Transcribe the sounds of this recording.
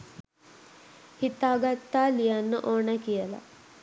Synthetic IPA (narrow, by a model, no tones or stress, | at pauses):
hit̪aːɡat̪ːaːlijanːəʔoːnakijəla̰